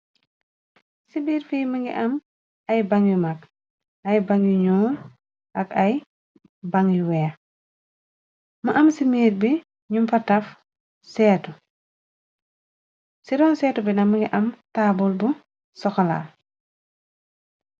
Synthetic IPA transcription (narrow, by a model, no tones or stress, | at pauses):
sibiːɾfiːmɐŋɡḭʔɐm | ɐjbaŋɡimɐk | ɐjbaŋɡiɲuːɾ | ʔɐkɐj | baŋiwɛː | mɐʔɐmsimiːɾbi | ɲumfɐtɐf | sɛːtu | siɾɔnsɛːtubinɐmɐŋɡiʔɐmtaːbulbu | sɔxɔla̰